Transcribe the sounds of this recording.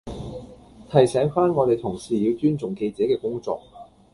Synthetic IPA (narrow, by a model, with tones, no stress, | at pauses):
t̪ʰɐ˨˩jsɛː˨˥ŋfaː˥nŋɔ˨˧t̪e˨jt̪ʰʊ˨˩ŋsiː˨˩jiː˨˧wt͡ʃyː˥nt͡sʊ˨ŋke˧jt͡sɛː˨˥kɛː˧kʊ˥ŋt͡sɔ̰ː˧k̚